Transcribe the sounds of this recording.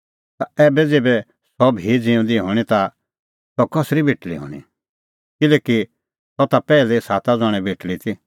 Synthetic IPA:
t̪aɛːbɛd͡zeːbɛ | sɔbʱid͡zĩũnd̪iɦoːɽ̃it̪a | sɔkɔsɾibʱeːʈlḭɦo̰ːɽ̃ḭ | kɪlɛːki | sɔt̪apɛːlɛsaːt̪ad͡zɔ̃ːɽ̃ɛbʱeːʈlit̪ʰi

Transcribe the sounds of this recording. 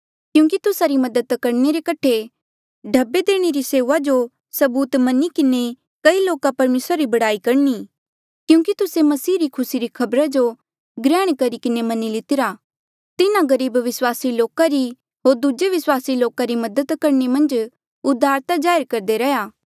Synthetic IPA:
kjũːkit̪ʊsaɾimɐd̪ət̪kɐɾneɾekɐʈʰe | ɖʱɐbːed̪eːɽ̃eɾiseːʋad͡ʒo | sɐbuːt̪mɐnikɪne | kɐiloːkapɐɾmeːsɾaɾibɐɽaːikɐɾni | kjũːkit̪ʊsemɐsiːɾikʰʊsiɾikʰɐbɾad͡ʒo | ɡɾɛːɽ̃kɐɾikɪnemɐnilɪt̪ɪɾa | t̪ɪnãɡɐɾiːbʋɪswaːsiloːkaɾi | ɦoːɾd̪ud͡ʒeʋɪswaːsiloːkaɾimɐd̪ət̪kɐɾnemɐ̃nd͡ʒ | ʊd̪ʱːaːɾt̪ad͡ʒaːjɾkɐɾd̪eɾɐjaː

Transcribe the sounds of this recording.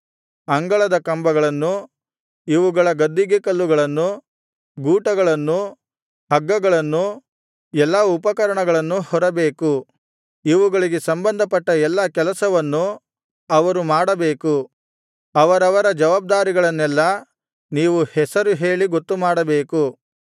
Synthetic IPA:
ɐŋɡɐɭɐd̪ɐkɐmbɐɡɐɭɐnːu | iʋuɡɐɭɐɡɐd̪ːiɡekɐlːuɡɐɭɐnːu | ɡuːʈɐɡɐɭɐnːu | ɦɐɡːɐɡɐɭɐnːu | ɛlːɐupɐkɐɾɐɳɐɡɐɭɐnːuhɔɾɐbeːku | iʋuɡɐɭiɡesɐmbɐnd̪ʱɐpɐʈːɐɛlːɐkɛlɐsɐʋɐnːu | ɐʋɐɾumaːɽɐbe̞ːku | ɐʋɐɾɐʋɐɾɐd͡ʒɐʋaːb̚d̪aːɾiɡɐɭɐnːɛlːɐ | niːʋuhɛsɐɾuɦe̞ːɭiɡot̪ːumaːɽɐbeːku

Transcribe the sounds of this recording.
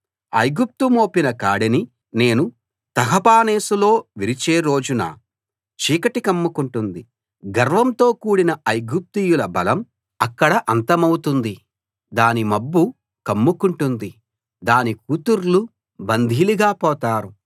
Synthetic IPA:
ɐ̰jɡup̚t̪umoːpinɐkaːɽɐni | ne̞ːnu | t̪ɐɦɐpaːneːsulo̞ːʋiɾit͡ʃeːɾo̞ːd͡ʒuna̰ː | t͡ʃiːkɐʈikɐmːukuɳʈund̪i | ɡɐɾʋɐmt̪o̞ːkuːɽinɐɐjɡup̚t̪ijulɐbɐlɐm | ɐkːɐɽɐʔɐnt̪ɐmɐwt̪und̪i | d̪aːnimɐbːu | kɐmːukuɳʈund̪i | d̪aːnikut̪uɾlu | bɐnd̪ʱiliɡaːpɔːt̪aːɾu

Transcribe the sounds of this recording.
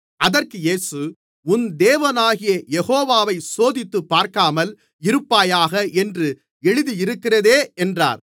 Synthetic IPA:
ʔɐðɐrkɯjeːsɯ | ʊnd̪eːʋɐnaːɣɪjɐjɛɣoːʋaːʋɐɪsoːðɪt̪ːɯpːaːɾkaːmɐl | ɪɾɯpːaːjaːɣɐɛndrɯ | ɛɻɯðijɪɾɯkːɪrɐðeːɛndra̰ːɾ

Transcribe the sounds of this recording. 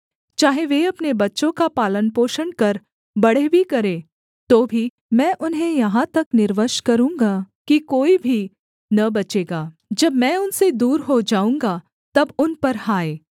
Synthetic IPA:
t͡ʃaːɦeʋeɐpnebɐtːʃõkapaːlənpoːʃənkɐɾ | bɐɽ̤ebʱikɐɾẽː | t̪oːbʱi | mɛ̃ːʔʊnɦẽjɐɦãt̪ɐknɪɾʋəʃkɐɾũːŋɡakikoːibʱi | nɐbɐt͡ʃeːɡaː | d͡ʒɐbmɛ̃ːʊnsed̪uːɾɦod͡ʒaːũːŋɡa | t̪ɐbʊnpɐɾhaːeː

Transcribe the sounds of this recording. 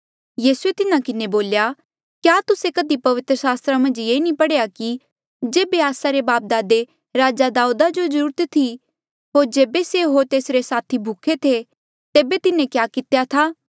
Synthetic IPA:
jiːsuet̪ɪnãkɪneboːlja | kjaːt̪ʊsekɐd̪ipɐʋɪt̪ɾəsaːst̪ɾamɐ̃nd͡ʒjeːnĩpɐɽejaki | d͡ʒeːbeaːsaɾebaːp̚d̪aːd̪e | ɾaːd͡ʒad̪aːuːd̪ad͡ʒozəɾuːɾt̪t̪ʰi | ɦoːɾd͡ʒeːbeseɦoːɾt̪eːsɾesaːt̪ʰibʱʊkʰet̪ʰe | t̪eːbet̪ɪnẽkjaːkɪt̪ejat̪ʰaː

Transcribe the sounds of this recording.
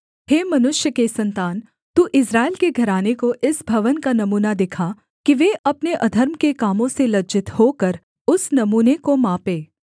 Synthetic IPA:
heːmɐnʊʃjəkesɐ̃nt̪aːn | t̪uːʔɪsɾaːɪlkeɡʱɐɾaːnekoʔɪsbʱɐʋənkanɐmuːnad̪ɪkʰa | kiʋeʔɐpneʔɐd̪ʱəɾmkekaːmõselɐd͡ʒɪt̪hoːkɐɾ | ʊsnɐmuːnekomaːpeː

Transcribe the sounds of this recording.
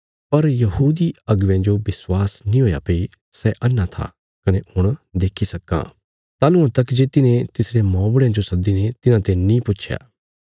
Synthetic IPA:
pɐɾjɐɦuːd̪iɐɡʋjãd͡ʒobɪswaːsnĩɦoːja̰pei | sɛʔɐnːat̪ʰa̰ | kɐnehʊɽ̃d̪eːkʰisɐkːã̰ | t̪aːlʊ̃ãt̪ɐkd͡ʒeːt̪ɪnẽt̪ɪsɾemɔ̃ːbɽjãd͡ʒosɐd̪inet̪ɪnãt̪enĩpʊtːʃʰja̰ː

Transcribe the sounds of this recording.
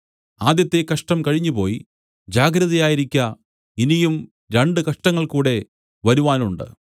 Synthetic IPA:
aːd̪jɐt̪ːe̞kɐʂʈɐmkɐɻiɲːupo̞ːji | d͡ʑaːɡɾɐðɐjaːjiɾikʲːɐ | inijum | ɾe̞ɳɖɨkɐʂʈɐŋːɐɭkuːɽe̞ | ʋɐɾuʋaːnuɳɖɨ̰

